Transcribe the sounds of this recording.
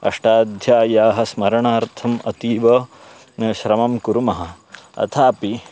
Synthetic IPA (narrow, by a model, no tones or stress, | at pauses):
ɐ̰ʂʈaːd̪ʱjaːjaːɦɐ̆smɐɾɐɳaːɾt̪ʰɐmɐt̪iːʋɐ | ʃɾɐmɐmkuɾumɐɦɐ | ɐ̰t̪ʰaːpi